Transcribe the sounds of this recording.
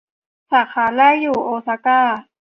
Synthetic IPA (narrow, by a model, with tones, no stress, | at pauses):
saː˨˩˦xʰaː˨˩˦lɛː˥˨jːuː˨˩ʔoː˧˦sa˧˦kaː˥˩